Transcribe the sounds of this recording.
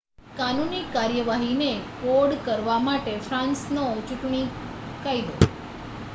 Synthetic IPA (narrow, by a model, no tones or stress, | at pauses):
kanunikaɾjəʋaɦinekoɽkəɾʋamaʈefʰɾãnsnot͡ʃuʈɳikajd̪o